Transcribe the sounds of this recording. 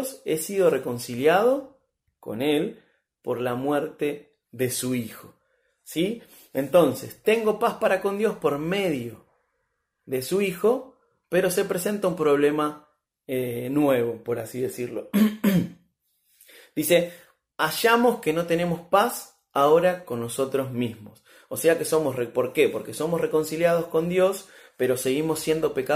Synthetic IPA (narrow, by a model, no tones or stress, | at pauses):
se̞siðo̞re̞ko̞nsiljað̞o̞ | ko̞̰ne̞l | po̞ɾlamwe̞ɾt̪e̞ | ðe̞suixo̞̥ | si | ent̪o̞nse̞̰st̪e̞ŋɡo̞paspaɾako̞nd̪jo̞spo̞ɾme̞ðjo̞ | ðe̞suixo̞ | pe̞ɾo̞se̞pɾe̞se̞nt̪aumpɾo̞β̞le̞ma | enwe̞β̞o̞po̞ɾasiðe̞siɾlo̞̰ | d̪̥ise̞ | aʃamo̞ske̞no̞t̪e̞ne̞mo̞spas | aoɾako̞nːo̞so̞t̪ɾo̞zmizmo̞s | ose̞ake̞so̞mosrepo̞ɾke̞po̞ɾke̞so̞mosre̞ko̞nsiljað̞o̞sko̞nd̪jo̞s | pe̞ɾo̞se̞ɣimo̞sːje̞nd̪o̞pe̞ka